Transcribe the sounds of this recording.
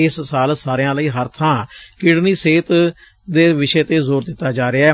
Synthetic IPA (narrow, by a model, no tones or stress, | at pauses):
ɪssaːlsaːɾjãːləiːɦəɾt̪ʰãːkɪɽniːseːt̪ | d̪eːʋɪʃɛːt̪eːzoːɾd̪ɪt̪ːaːd͡ʒaːɾɪaːɛː